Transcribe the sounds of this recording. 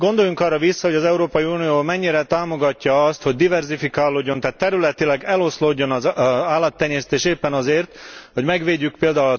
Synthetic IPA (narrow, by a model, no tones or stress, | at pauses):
ɡo̞nd̪o̞juŋkɒrːɒvisːɒho̞ɟɒzɛuɾoːpɒjiuːnijoːmɛɲːiɾɛt̪aːmo̞ɡɒcːɒɒst̪ho̞ɟ̚d̪ivɛrzifikaːlːoːɟːo̞nt̪aːt̪ːɛɾylɛt̪ilɛɡɛlo̞sloːɟːo̞nɒzaːlːɒt̪ːɛɲɛst̪eːʃeːpːɛnɒzeːrt̪ho̞ɟmɛɡʋeːɟːyk̚peːld̪aulɒ